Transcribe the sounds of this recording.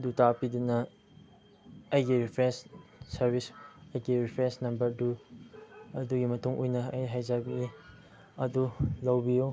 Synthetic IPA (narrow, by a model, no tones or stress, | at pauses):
dutapidunɐ | ɐjɡiɾipʰɾensːɐɾbʱisɐjɡiɾipʰɾensnɐmbɐɾdu | ɐduɡimɐtuŋʔujnɐɐjɦajzabii | ɐdulɐwbijo